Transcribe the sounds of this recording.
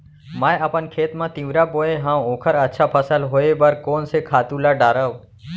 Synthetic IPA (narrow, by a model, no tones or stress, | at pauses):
mãːeəpənkʰeːt̪mãːt̪ĩːʋɾaːboːeːɦãːõːkʰəɾətːʃʰaːpʰəsəlɦoːeːbəɾkoːnseːkʰaːt̪uːlaːɖaːɾəʋ